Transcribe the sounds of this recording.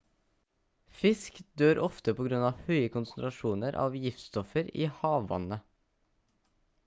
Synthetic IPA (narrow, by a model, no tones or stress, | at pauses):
fɪskd̪øːɾʔɔft̪əpʰɔːɡɾʉnɑːʋhœʏəkʰʊnsn̩t̪ʰɾɑʃuːnəɾʔɑ̰ːʋjɪft̪st̪ɔfəɾiːhɑːʋːɑ̰nə